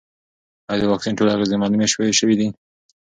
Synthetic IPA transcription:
ajd̪əwɑksinʈolaɣezimalumeʃweeʃəwid̪i

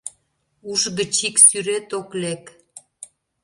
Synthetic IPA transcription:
uʒɣə̆t͡ɕiksyɾet̪oklek

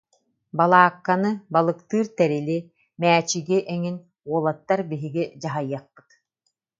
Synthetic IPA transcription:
balˠaːkːanɯbalˠɯkt̪ɯːɾt̪ɛɾili | mæːt͡ɕiɡiʔɛŋin | uɔlˠat̪ːaɾbiɦiɡid͡ʑaɦajːaq̚ːɯ̥t̪

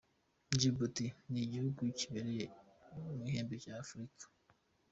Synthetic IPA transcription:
ɲd͡ʒibutiniɟihuɡuciβeɾejemuɦeːmbecaːfɾikʰḁ

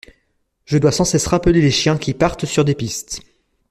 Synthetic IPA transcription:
ʒ̥əd̪wasɑ̃sɛsʁapəleleʃjɛ̃kʲipaʁt̪syʁd̪epist̪

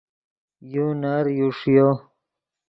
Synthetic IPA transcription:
junaɾjuʂjo

